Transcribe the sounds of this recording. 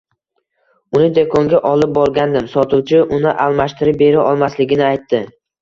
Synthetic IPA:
ʊnɪd̪ekʰoŋɡʲaʔɒlˠɪp̚bɒɾɡʲand̪ɪmsɒt̪ʰʊwt͡ʃʰɪʔʊnɪʔalˠmaʃt̪ɪɾɪp̚be̞ɾɪʔɒlˠmaslɪɡʲɪnɪajt̪ːɪ

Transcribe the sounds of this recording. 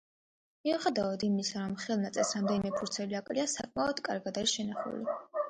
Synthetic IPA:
miɛχɛd̪aɔd̪imisaɾɔmχɛlˠnat̪sʼɛsɾamd̪ɛnimɛpʰuɾt̪sʰɛliakʼliasakʼmaɔd̪̥kʼaɾɡad̪aɾiʃɛnaχṵli

